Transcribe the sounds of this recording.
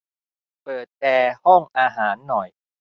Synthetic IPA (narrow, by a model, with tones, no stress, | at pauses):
pɤː˨˩t̪̚ːɛː˧hɔ˥˩ŋʔaː˧ɦaː˩˦nːɔ˨˩j